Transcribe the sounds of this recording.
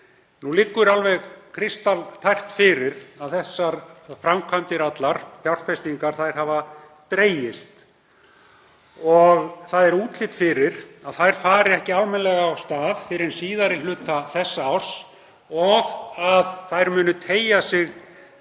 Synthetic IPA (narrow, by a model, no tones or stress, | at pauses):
nulɪkːʏɾalvɛɣkʰɾɪst̪alt̪ʰajr̥t̪fɪɾɪɾaðθɛsːaɾfɾamkʰant̪ɪɾat̪laɾ̥fjawr̥fɛst̪iŋkaɾ̥θajɾ̥ɦava | t̪ɾeːjɪst̪ | ɔɣθaðɛɾuːt̪lɪt̪fɪɾɪɾaðθajɾ̥faːɾɪɛhcɪalmɛnlɛɣaːwst̪aːðfɪɾɪɾɛsiːðaɾɪlʏːt̪θaθɛsːaawr̥s | ɔɣaðθajɾmʏːnʏt̪ʰeːjasɪɣ